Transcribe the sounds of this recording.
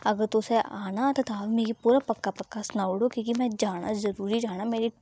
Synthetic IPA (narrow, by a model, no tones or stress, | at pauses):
ɐɡəɾt̪ʊseʔaːnat̪ɐt̪aːʋmeːɡipuːɾapɐkːapɐkːasnaːʊɽokĩːkimɛ̃d͡ʒaːɽ̃a̰zɐɾuːɾid͡ʒaːɽ̃ameːɾi